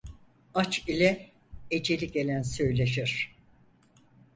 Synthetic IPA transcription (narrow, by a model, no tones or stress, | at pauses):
at͡ʃilʲɛ | ed͡ʒelʲiɟe̞lʲænsø̞jlʲeʃiɾ̥